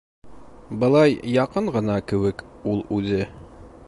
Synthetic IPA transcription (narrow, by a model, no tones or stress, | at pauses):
bɤ̆lˠɑjjɑqɤɴʁɤ̆nɑkɘ̆wɘkulˠʉðɘ